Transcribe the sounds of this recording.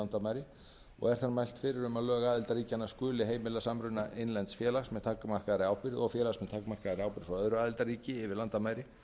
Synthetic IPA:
ant̪amaːjɾɪ | ɔ̰ɣɛɾ̥θaɾmajl̥t̪fɪɾɪɾʏmaðlœːɣaaːðɪlt̪aɾiːcanːḁskʏːlɪɦeːjmɪlːasamɾʏnːaʔejnlɛnt̪sfjɛːlaxsmɛðt̪ʰaːkamar̥kaðaɾɪawpɪɾðɔɣfjɛːlasmɛðt̪ʰaːkmar̥kaðaɾɪaːwpɪɾ̥fɾaœðɾʏaːðɪlt̪aɾiːcɪːvɪɾlant̪amaːjɾɪ

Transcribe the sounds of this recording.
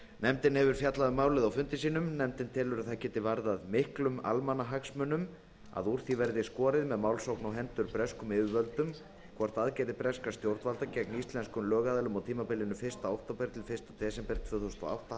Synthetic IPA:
nɛmt̪ɪnhɛvʏɾ̥fjat̪laðɪmaːwlɪðawfʏnt̪ɪs̬iːnʏmnɛmt̪ɪnt̪ʰɪlʏɾaðθacɛːt̪ɪvaɾðaðmɪhklʏma̰lmanaɦaksmʏnʏm | a̰ðuɾ̥θivɛɾðɪskɔːɾɪðmɛðmawlsowknawɦɛnt̪ʏɾpɾɛskʏmɪːvʏvœlt̪ʏm | kʰɔr̥t̪aðcɛːjt̪ɪpɾɛskast̪jowɾt̪valt̪acɛk̚nist̪lɛnskʏmlœːɣaðɛlʏmawt̪ʰiːmapɪlɪnʏfɪ̥st̪aowht̪apɛɾkt̪ʰɪlfɪ̥st̪at̪ʰɛːsɛmpɛɾ̚t̪ʰvœːθowst̪ɔ̰a̰wht̪a

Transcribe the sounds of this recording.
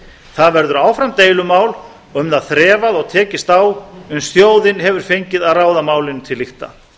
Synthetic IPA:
θaðvɛɾðʏɾaːwfɾamt̪eːjlʏmaːwl | ʏmðaðθɾɛːvaðɔɣt̪ʰɛːcɪst̪aːwʏmst̪joːwðɪnɦɛvʏɾ̥fejɲcɪðaðraːwðamaːwlɪnt̪ʰɪlːixt̪a̰

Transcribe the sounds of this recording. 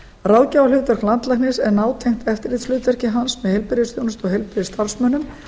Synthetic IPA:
raðcawalʏːt̪vɛr̥klant̪lajknɪsɛɾnaːwt̪ʰejŋ̥t̪ɛft̪ɪɾit̪slʏːt̪vɛɾ̥rcɪɦansmɛðhejlpɪɾjɪsθjownʏst̪ɔɣhejlpɪɾɪst̪aɾsmœnʏm

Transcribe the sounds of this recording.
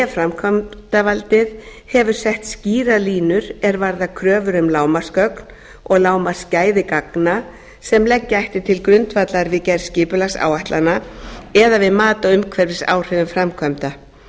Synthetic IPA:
fɾamkʰœmt̪avalt̪ɪðhɛvʏɾ̥sɛht̪sciːɾaliːnʏɾɛɾvaɾðakʰɾœːvʏɾʏmlaːwmaskœkn | ɔɣlaːwmḁscaːjðɪkakna | sɛmlɛcːɪajht̪ɪɾ̥t̪ʰɪlkɾʏnt̪vat̪laɾvɪcɛɾscɪːpʏlaxsa̰ːwajht̪lanaɛðavɪðmaːt̪aʏmkʰvɛɾvɪsa̰ːwr̥ɛðʏmfɾamkʰœmt̪a

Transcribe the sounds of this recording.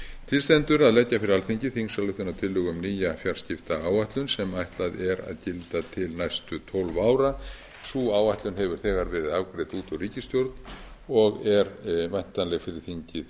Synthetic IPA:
t̪ʰɪlst̪ɛnt̪ʏɾaðlɛcːafɪɾɪɾalθiɲcɪθiŋsalʏht̪ʏnat̪ʰɪlːʏːɣʏmniːjafjaɾ̥scɪft̪aaːwaht̪lʏnsɛmajht̪laðɛɾa̰ðcɪlt̪at̪ʰɪlnajst̪ʏt̪ʰɔlvaːwɾa | suːaːwvajht̪lʏnɦɛvʏɾ̥θɛːɣaɾvɛːɾɪðavkɾɛt̪uːt̪ɔɾiːcɪst̪jowɾt̪nɔɣɛɾvajn̥t̪anlɛɣfɪɾɪɾ̥θiɲcɪð

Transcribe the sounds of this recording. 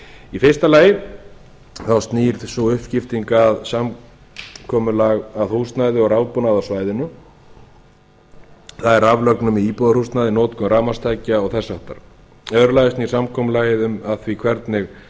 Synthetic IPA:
ifɪst̪alaːjɪ | θawst̪niːɾθsɔʏhpcɪft̪iŋkaðsam | kʰɔːmʏlaɣaðhust̪najðɪɔɣɾaːwpɔnaðawsvaːjðɪnʏ | θaðɛɾavlœknʏmiiːpɔðaɾrust̪naðɪnoːt̪kʏmɾaːmast̪ʰaːjcːaɔɣθɛsːaht̪a̰ɾ̥ | œðɾlajðʏstni̥samkʰɔːmʏlaːjɪðʏmaðθvikʰvɛɾt̪nɪx

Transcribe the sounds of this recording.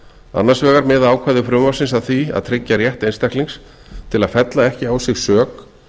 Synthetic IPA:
a̰nːḁsvɛːɣaɾmɛːðaaːwkʰvajðʏfɾʏmvḁsɪnsaðθvia̰ðt̪ʰɾɪcːaɾjɛht̪ejnst̪ɛhk̪liŋks | t̪ʰɪlaðfɛt̪laɛhcɪawsɪɣsœːk

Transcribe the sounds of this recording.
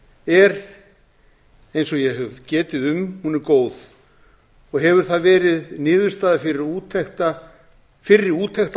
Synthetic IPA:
ɛɾ | ejnsɔɣjɛɦœvcɛːt̪ɪðʏmhunɪɾkoːwð̥ | ɔɣɦɛvʏɾ̥θaðvɛːɾɪðnɪːðʏɾst̪aːðafɪɾɪɾuːt̪ʰɛxt̪a | fɪɾɪɾuːt̪ʰɛhxt̪

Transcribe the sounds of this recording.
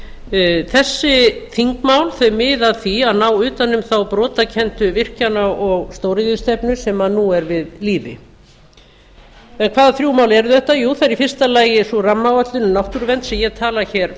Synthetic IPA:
θɛsːɪθiŋkmaːwlθœɥmɪːðaðθiaðnawʏːt̪anːʏmθawpɾɔːt̪acʰɛnt̪ʏvɪr̥canaɔɣst̪owɾɪðist̪ɛpnʏsɛmanuɛɾvɪðliːvɪ̰ | ɛnkʰvaːðaθɾjuːmawlɛɾʏθɛht̪ːajuːθaɛɾifɪr̥st̪alaːjɪsɔramːawat̪lʏnʏnawht̪ʏɾvɛnt̪sɛmjɛt̪ʰaːlaçɛːɾ̥

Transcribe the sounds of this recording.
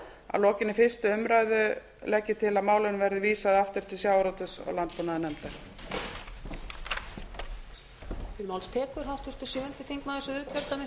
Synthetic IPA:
a̰lɔːcɪnɪfɪr̥st̪ʏʏmɾajðʏ | lɛcːɪt̪ʰɪlaðmaːwlɪnvɛɾðɪviːsaðaft̪ʏɾ̥t̪ɪsjawɾɔwt̪ɪsɔ̰ɣlant̪̚puːnaðʏnɛmt̪aɾ | t̪ʰɪlmaːwlst̪ʰɛːkʏɾ̥ɦawht̪ʰʏst̪ɪsjœːvʏnt̪ɪθiŋknaðɪsʏðʏcʰœlt̪amɪ

